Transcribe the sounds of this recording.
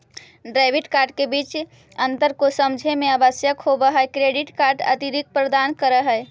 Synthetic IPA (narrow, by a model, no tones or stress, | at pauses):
ɖɾaɪbʱiʈkaɾɖ̚kebit͡ʃ | ənt̪əɾkosəmd͡ʒʱemeəbəsjəkɦobəɦəekɾeɖiʈkaɾɖə̰t̪iɾik̚pɾəd̪ankəɾəɦəe